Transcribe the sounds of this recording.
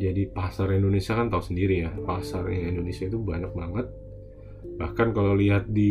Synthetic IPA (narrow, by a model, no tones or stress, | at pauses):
d͡ʒadipasaɾindonesiakant̪ausəndiɾijapasarjaŋindonesiait̪ubaɲak̚baŋət̪̚ | bahkankalaliɦat̪̚di